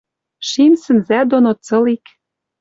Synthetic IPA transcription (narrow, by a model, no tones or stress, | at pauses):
ʃinsə̆nzæd̪onot͡sɤ̆lik